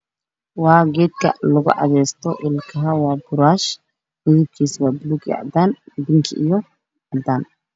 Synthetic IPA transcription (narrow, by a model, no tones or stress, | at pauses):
wɑːɡɛːd̪̚kʰɐ̰lɐɣʊ̰ʕɑ̰ðɛːst̪ʰɔʔɪlkʰɐɦawɑːbʊɾaːʃ | mɪðɪb̚kʰiːsbaːbʊluɡjɛ̰ʕd̪aːnbɪŋkʰiʔijɔ | ʕɑd̪aːn